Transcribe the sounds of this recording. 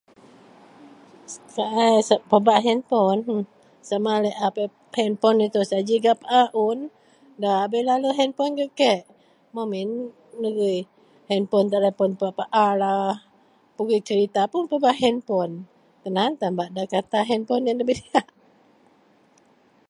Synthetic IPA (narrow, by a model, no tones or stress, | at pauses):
skaʔajsapəbaʔɦɛnpɔn | samalɛʔape | hɛnpɔnit̪usad͡ʒiɡapaʔaʔun | daabelaluɦɛnpɔnɡəʔkɛʔ | mominː | əɡij | hɛnpɔnt̪alɛpɔnpaʔpaʔalah | puɡit͡ʃəɾit̪apunpəbaʔɦɛnpɔn | k̪ənant̪ambaʔdakat̪aɦɛnpɔnjanləbidiaʔ